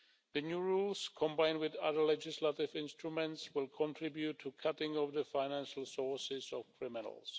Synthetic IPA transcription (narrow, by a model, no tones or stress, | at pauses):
ðɨnjuɹulskʰɔ̃mbãɪ̃ndwɪðaðə˞lɛd͡ʒɪslətɪvɪ̃nstɹumɛ̃ntswɪlˠkʰɔ̃ntʰɹɪbjutʰːukʰatɪ̃ŋɔvðəfaɪnæ̃nʃl̩ˠsɔɹsɪzɔvkʰɹ̥ɪmɪn̰l̩ˠs